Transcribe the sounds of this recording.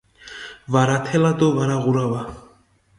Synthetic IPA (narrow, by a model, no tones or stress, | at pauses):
vaɾat̪ʰɛlad̪ovaɾaɣuɾava